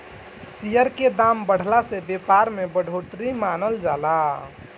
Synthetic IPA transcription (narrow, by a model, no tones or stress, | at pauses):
sijəɾked̪ambəɽ̤lasebepaɾmebəɽ̤ʱoʈɾimanəld͡ʒala